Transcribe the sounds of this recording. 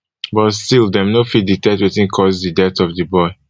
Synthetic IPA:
bɔtstildɛmnofiditɛtwɛtĩnkʰɔzdidɛtɔvdəbɔɪ

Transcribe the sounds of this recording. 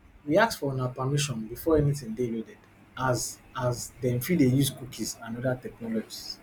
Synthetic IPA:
wiak̚sfɔɔnapamiʃɔ̃nbifɔɛnitĩŋdelodɛd̥ | az | azdɛ̃mfidejuzkukʰizãnɔdatɛknɔlɔd͡ʒis

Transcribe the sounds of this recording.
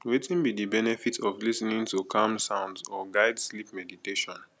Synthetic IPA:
wetĩnbidibɛnɛfitʰɔvlisnĩŋtukʰamsãʊ̃ndzɔɡaɪdslipmɛditeʃɔ̃n

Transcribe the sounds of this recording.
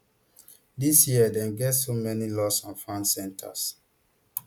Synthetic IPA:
disjiədɛ̃nɡɛtsomɛnilɔsɔ̃nfãnsɛ̃ntʰa̰s

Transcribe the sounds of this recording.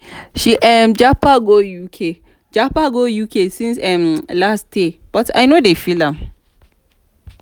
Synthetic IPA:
ʃiʔɛmd͡ʒapaɡojukʰe | d͡ʒapaɡojukʰesĩnsɛ̃mlasdeb̥ɔtʰa̰jnodefilãm

